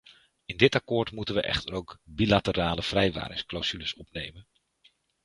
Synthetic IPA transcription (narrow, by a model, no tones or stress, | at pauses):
ɪndɪtakʊːɹtmutənʋəʔɛ̰χtəɾowkbilatəraːləv̥rɛjʋa̰ːɾɪsklawz̥yləsɔpnejmən